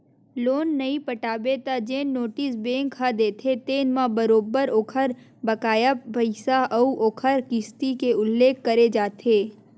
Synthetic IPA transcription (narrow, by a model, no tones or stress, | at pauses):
loːnːɐĩpəʈaːbet̪ad͡ʒeːnoːʈɪsbẽːŋkʰad̪eːt̪ʰet̪eːnmãbəɾoːbəɾoːkʰəɾ | bəkaːjəpəɪsaʔɐuʔoːkʰəɾkɪst̪ikeʊlːeːkːɐɾed͡ʒaːt̪ʰeː